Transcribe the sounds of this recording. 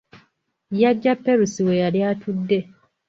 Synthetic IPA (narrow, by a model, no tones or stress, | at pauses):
jaɟːapːeɾusiwejaljaːtʰudːe̞